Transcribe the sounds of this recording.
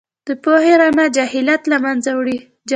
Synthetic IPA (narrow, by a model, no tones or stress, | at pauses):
d̪̥əpoheɾamad͡ʒahɪlat̪lamanzawɽi | d͡ʒ